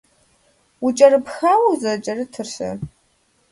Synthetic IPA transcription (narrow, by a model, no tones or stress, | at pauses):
wʊt͡ʃʼɐrɨpxaːwɐwzɐt͡ʃʼɐrɨtʰɨrɕɐ̰